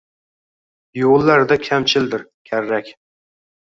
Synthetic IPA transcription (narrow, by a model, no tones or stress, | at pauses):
jolˠːaɾd̪akʲʰamt͡ʃʰɪld̪ɪɾ | kʲʰaɾːakʲ